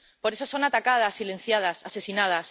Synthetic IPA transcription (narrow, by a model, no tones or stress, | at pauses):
po̞ɾesosonat̪akað̞asːile̞n̟θjað̞asase̞sinað̞as